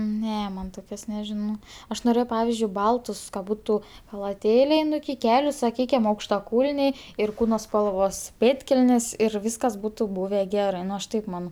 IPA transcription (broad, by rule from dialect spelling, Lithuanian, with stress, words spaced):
ˈnʲɛ ˈmɐn ˈtoːkʲoːs nʲɛˈʒʲɪnoː ˈɐʃ noːˈrʲeːjɛʊ ˈpɑːʋʲɪzʲd͡ʒʲʊɪ ˈbɐlˠtʊs kɐ ˈbʊtʊ xɐlˠɐˈtʲeːlʲɛɪ ˈnʊ ɪkʲɪ ˈkʲæːlʲʊ sɐˈkʲiːkʲɪm ɐʊkʃtɐˈkuːlʲnʲɛɪ ɪr ˈkuːnoː spɐlˠˈʋoːs ˈpʲeːtʲkʲɛlʲnʲeːs ɪr ˈʋʲiːskɐs ˈbuːtʊ ˈbuːʋʲɛ ˈɡʲæːrɜ ˈnʊ ɐʃ ˈtɐɪp ˈmɑːnoː